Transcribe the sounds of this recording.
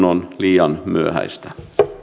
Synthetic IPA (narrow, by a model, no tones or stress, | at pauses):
nonliːɑnmyøhæ̰ist̪æ̥